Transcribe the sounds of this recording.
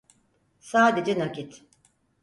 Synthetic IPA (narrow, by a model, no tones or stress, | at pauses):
saːd̪e̞d͡ʒɛnakit̪